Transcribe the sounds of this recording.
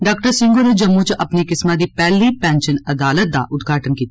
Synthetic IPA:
ɖaːk̚ʈəɾsɪ̃ŋɡoned͡ʒɐmːut͡ʃʔɐpnikɪsmãd̪ipɛːlipɛ̃ːnʃənɐd̪aːlət̪̚d̪a̰ʔʊt̪ɡʱaːʈənkiːt̪ː

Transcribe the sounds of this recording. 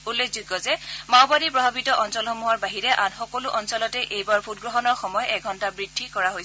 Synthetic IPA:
ulːekziɡɔzɛmaʊbadipɹɔbʱabitɔʔɔnsɔlxɔmuɦɔɹbaɦiɹɛʔanxɔkɔlʊʔɔnsɔlɔtɛʔejbaɹbʱut̚ɡɹɔɦɔnɔɹxɔmɔjɔʔɛɡʱɔntabɹidʱːikɔɹaɦojs

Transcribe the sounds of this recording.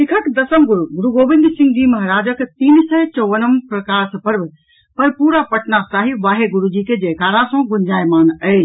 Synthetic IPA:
sikʰəkd̪əsəmɡuɾuɡuɾuɡobind̪sĩŋɡd͡ʒiməɦɾad͡ʒəkt̪iːnsət͡ʃəʋənəmpɾəkaɾsəpəɾb | pəɾpuɾapəʈnasaɦiʋaɦeɡuɾud͡ʒiked͡ʒekaɾãsə̃ɡund͡ʒajmanə

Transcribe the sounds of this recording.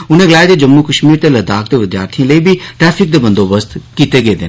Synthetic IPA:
ʊn̤ẽɡəlaːed̪ed͡ʒəmːukəʃmiːɾt̪elɐd̪aːk̚d̪eʋɪd̪ja̰ːɾt̪ʰiãləibʱiʈɾɛːfʰɪk̚d̪ebə̃nd̪oːbəst̪kiːt̪eɡeːd̪ɪn

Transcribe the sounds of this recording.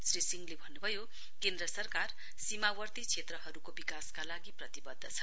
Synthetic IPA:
srisiŋlebʱʌnːubʱʌjo | kend̪ɾʌsʌrkar | simawʌrt̪it͡sʰet̪rʌɦʌɾukobikaskalaɡiprʌt̪ibʌd̪ʱːʌt͡sʰʌ̥

